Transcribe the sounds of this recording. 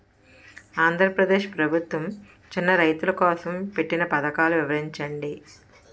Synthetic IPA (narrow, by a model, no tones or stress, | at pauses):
aːnd̪ʱɾɐpɾɐd̪e̞ːʃpɾɐbʱut̪ʋɐm | t͡ʃinːɐɾɐjt̪ulɐkɔːsɐmpe̞ʈːinɐpɐd̪ɐkaːluʋiʋɐɾiɲt͡ʃɐɳɖi